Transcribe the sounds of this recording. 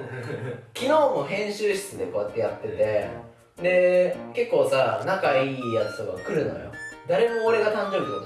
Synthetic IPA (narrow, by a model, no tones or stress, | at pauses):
kʲino̞ːmo̞ɦẽ̞ɰ̃ɕɨːɕi̥t͡sɨd̪eko̞ːjat̪ːe̞jat̪ːe̞t̪e̞ | d̪e̞ke̞kːo̞ːsanakaiːjat͡sɨ̥t̪o̞ka̰kɯ̟ɾɯ̟no̞̰jo̞̰d̪aɾe̞mo̞ːɾe̞ɡat̪ãɲd͡ʑo̞ːbʲiot̪